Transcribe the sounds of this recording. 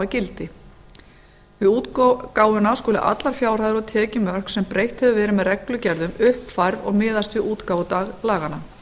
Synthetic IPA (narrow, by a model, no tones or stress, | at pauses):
acɪlt̪ɪ | vɪðuːt̪kaːwʏnaskɔːlɪʔa̰t̪laɾ̥fjaːwɾ̥ajðɾɔɣt̪ʰɛːcɪmœr̥ksɛmpɾejht̪hɛðʏvɛːɾɪmɛðrɛklʏcɛɾðʏmʏhpfajɾðɔ̰ɣmɪːðast̪vɪuːt̪kaːwt̪aɣlaːɣana